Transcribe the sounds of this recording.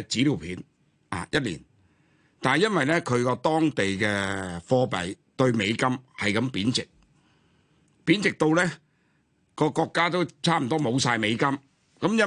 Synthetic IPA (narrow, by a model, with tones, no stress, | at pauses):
t͡siː˨˥liː˨˩wpʰiː˨˧n | a̰ː˨jɐ˥t̚lḭː˨˩n | t̪aː˨nɐ˨jɐ˥nwɐ˨jlɛː˥kʰɵ˨˧ɥkɔː˧t̪ɔː˥ŋt̪e˨jkɛː˧fɔː˧pɐ˨j | t̪ɵ˧ɥme˨˧jkɐ˥mhɐ˨jkɐ˨˧mpiː˨˥nt͡sɪ˨k̚ | piː˨˥nt͡sɪ˨k̚t̪o˧wlɛː˥ | kɔː˧kɔː˧kːaː˥t̪o˥wt͡sʰaː˥m̩˨˩t̪ɔː˥mo˨˧wsaː˧jme˨˧jkɐ˥m | kɐ˨˧˥mjɐ˥